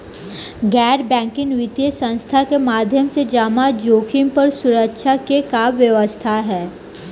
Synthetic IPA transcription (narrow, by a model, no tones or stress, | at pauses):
ɡɛːɖbɛ̃ːŋkɪŋʋɪt̪jəsə̃nst̪ʰakemaːd̪ʱjəmsed͡ʒaːmad͡ʒoːkʰɪmpəɾsʊɾəkʃʰakekaːbʋjəʋəst̪ʰaɦɛː